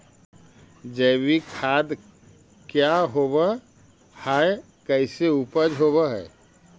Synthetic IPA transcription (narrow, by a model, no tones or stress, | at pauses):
d͡ʒəːwikʰaːd̪ | kjaɦoːbə | haːe | kəɪseuːpəd͡ʒɦoːbəɦɛ̰ː